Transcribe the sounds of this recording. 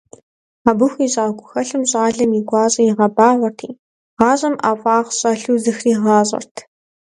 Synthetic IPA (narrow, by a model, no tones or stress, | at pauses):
aːbɨxʷiːɕʼaːɡʷʼʊxɐɬɨmɕʼaːɮɐmiɡʷɑːɕʼɐjɪʁɐbaːʁʷɐrtʰiː | ʁɑːɕʼɐmʔaːfʼaːχɕʼɐɬuːzɨxriːʁɑːɕʼɐ̰rtʰ